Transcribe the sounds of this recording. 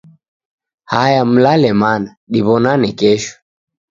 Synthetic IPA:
hajam̩lalɛmana | ɗiβɔnanikɛʃɔ̥

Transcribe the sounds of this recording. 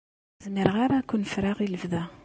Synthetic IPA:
zmiɾʁaɾakʷːunfɾaʁiləvðæ

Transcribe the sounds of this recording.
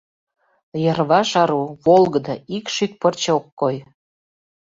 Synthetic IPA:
jərβɑʃɑɾuβolˠɣə̆d̪ɤikʃyk̚pərt͡ɕeokːoj

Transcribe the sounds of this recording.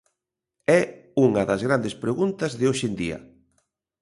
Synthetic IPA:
ɛuŋɐðɐzɣɾand̪espɾeɣunt̪ɐzðɪoʃend̪iɐ̰

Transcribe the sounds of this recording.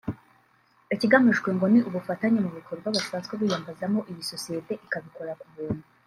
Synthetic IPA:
eciɡamiʃkwe̞ŋɡo̞niʔuβufataɲemuβikʰo̞ɾɡwaβasaːnsweβiːjaːmbazamo̞ʔijiso̞sije̞te̞ʔikaβiko̞ɾakuβuːn̥u

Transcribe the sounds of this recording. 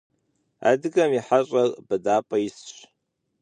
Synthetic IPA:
a̰dɨɡamiħaɕʷʼarʼbadaːpʼaist͡ʃt͡ʃʷ

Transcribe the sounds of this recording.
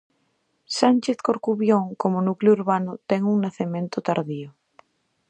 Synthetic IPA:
sant͡ʃeθkoɾkuβjoŋkomonuklouɾβanʊt̪ɛŋuŋnaθemẽnt̪ʊt̪aɾðio

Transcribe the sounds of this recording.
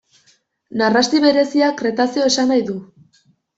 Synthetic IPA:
narast̪iβe̞ɾe̞siakɾe̞t̪asio̞e̞sanajðu

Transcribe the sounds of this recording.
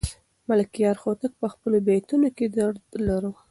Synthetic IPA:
malɪkijɑɾxot̪ək̚pəxpəlobet̪unoked̪əɾlaɾu

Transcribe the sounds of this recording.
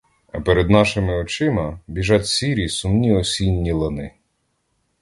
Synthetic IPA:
ɐ̰peɾed̪nɑʃɪmɪɔt͡ʃɪmɐbʲiʒɑtʲsʲiɾʲisʊmnʲiɔsʲinʲːilˠɐnɪ

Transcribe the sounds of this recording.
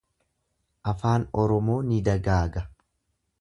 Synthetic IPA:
ʔɐfaːnɔɾɔmo̞ːnɪd̪ɐɡaːɡɐ

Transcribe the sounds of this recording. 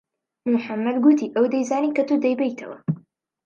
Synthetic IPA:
muħamːɐd̪ɡut̪iːʔɐwd̪ɐjzaːniːkɐt̪ud̪ɐjbejt̪ʰɐ̰wɐ̰

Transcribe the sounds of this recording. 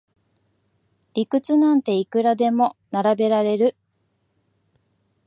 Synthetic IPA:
ikɯ̟t͡sɨnãnt̪e̞ikɯ̟ɾad̪e̞mo̞naɾabe̞ɾaɾe̞ɾɯ̟

